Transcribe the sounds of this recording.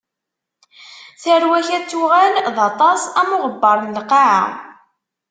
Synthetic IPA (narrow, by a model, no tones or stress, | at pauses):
θəɾwæçæt͡sːuʁælðɑt̪ˤɑsæmʊʁəbːəɾˤnəlqaʕa̰